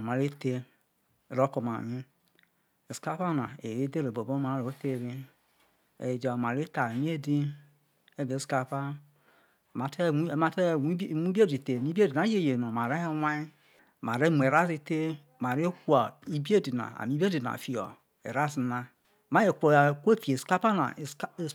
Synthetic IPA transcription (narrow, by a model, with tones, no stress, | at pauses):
ma˨ɾe˦te˦˨ | ɾo˦ko˨ma̰˨mi˦ | e˨ska˦pa˦na̰˨e˨e˦de˦ɾe˨bo˨bo˦ma˨˦ɾo˨o˦te˦˨ɾi˦ | ḛ˨d͡ʒa˨ma˨ɾe˦ta˨e˨m˦e˦di˦ | e˦be˨˦ska˦pa˦˨ | ma˨te˦˨˦ma˨te˦˨˦mu˦be˦di˨te˨mi˦bi˦e˦di˨na˨˦je˦˨je˨no˨ma˨ɾe˦e˦wa˦i˦˨ | ma˨ɾe˦mu˨e˨ɾa˦si˦te˦˨ | ma˨ɾe˦ku˦a˨i˦bi˦e˦di˨na̰˨a̰˨mi˦i˦e˦di˨na̰˨fi˨o̰˨ | ḛ˨ɾa˦si˨na˦ | ma˦je˨kʷo˨ko˦˨fi˨e˨ska˦pa˦na̰˨˦˨